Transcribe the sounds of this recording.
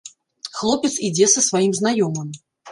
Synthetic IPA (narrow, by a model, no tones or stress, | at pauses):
xlˠɔpʲɛt̪sid͡zʲɛsɐsvajimznajɔmɨm